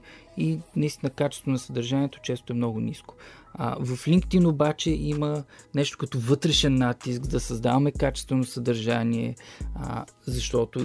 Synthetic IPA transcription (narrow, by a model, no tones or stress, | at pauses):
inɐist̪inəkat͡ʃɛ̥st̪vonɐsəd̪ɐɾʒaniɛt̪o̥t͡ʃɛst̪oɛmnɔɡʊniskʊ̥̰vɐflʲiŋkt̪inobat͡ʃɛʔimənɛʃt̪o̥kɐt̪ovɤt̪ɾɛʃɛnːat̪isɡd̪ɐsɐzd̪a̰vɐmɛkat͡ʃɛ̥st̪vɛnosəd̪ɐɾʒaniɛ̰ | zɐʃt̪ɔt̪ʊ